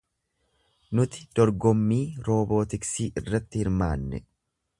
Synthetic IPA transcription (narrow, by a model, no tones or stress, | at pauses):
nʊt̪ɪ̥d̪̥ɔɾɡɔmːiːɾo̞ːbo̞ːt̪ɪksiːʔɪrːɐt̪ːɪhɪɾmaːnːɛ̰